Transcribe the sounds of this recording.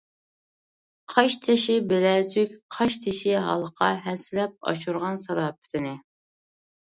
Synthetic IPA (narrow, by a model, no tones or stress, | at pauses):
qʰɑʃt̪ʰɪʃɪbɪlɛzykʲqʰɑʃt̪ʰɪʃɪɦɑ̰lˠəqʰɑɦɛsɪlɛp̚ɑ̰ʃuɾʁɑnsɑɾɑːpʰɪ̥t̪ʰɪnɪ